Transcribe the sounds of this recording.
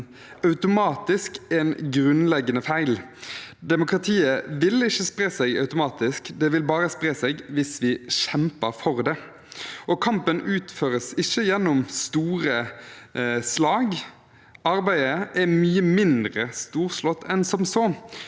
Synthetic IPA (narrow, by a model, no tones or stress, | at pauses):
ɑʉt̪ʊmɑːt̪ɪskɛnɡʁʉnlɛɡːənəfæɪl | d̪ɛmʊkʁɑt̪ʰiːəʋɪlɪçːəspʁeːsɛɡɑ̰ʉt̪ʊmɑːt̪ɪskd̪ɛʋɪlbɑːʁəspʁeːsɛɡʋɪsʋɪʃɛmpəɾfɔʁd̪ɛ | ɔkʰɑmpənʉːt̪føːʁəsɪçəjɛnːɔmst̪uːʁə | slɑːɡ | ɑʁbæɪəʔɛmyːəmɪnd̪ʁəst̪uːʁslɔt̪ːʰɛnsɔmsɔ